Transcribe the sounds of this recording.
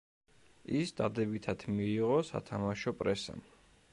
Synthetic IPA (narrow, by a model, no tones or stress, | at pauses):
isd̪ad̪ɛbit̪ʰat̪ʰmiːʁɔsa̰t̪ʰamaʃɔpʼɾɛsa̰m